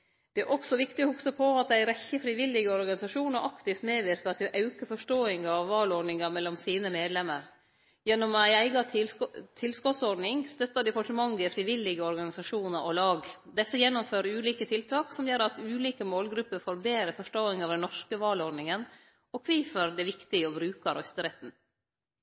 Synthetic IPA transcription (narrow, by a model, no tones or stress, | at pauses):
d̪̥ɛæɾʔɔksɔʋɪkt̪ɪɔhʊksəpʰɔɑt̪̚d̪æɪɾɛçəfɾɪʋɪlːɪɡəɔɾɡɑnɪsɑʂuːnəɾʔɑkt̪ɪft̪meːʋɪɾkəɾɑt̪ʋɛʔɑʉkəfɔʂʈoːɪŋɑʋːɑːlɔɖnɪŋɑmɛlːɔmsiːnəmeːd̪lɛmːəɾ | jɛnːɔmæɪæɪɡɑt̪ʰɪlskɔt̪sɔɾɖnɪŋst̪œt̪ːəɖ̪ɛpɑʈəmɑŋɡəfɾɪʋɪlːɪɡəɔɾɡɑnɪsɑʂuːnəɾʔɔlɑːɡd̪ɛsːəjɛnːɔmføːɾəʉːliːkət̪ʰɪlt̪ʰɑːksɔmjøːɾɑt̪ʉːliːkəmoːlɡɾʉpːəɾfoːɾbeːɾəfɔʂʈoːɪŋɑʋd̪ɛnɔʂkəʋɑːlɔɖnɪŋən | ɔkʰʋiːfəɾd̪ɛʋɪkt̪ɪɡəɔbɾʉːkɑɾʔœst̪əɾɛt̪n̩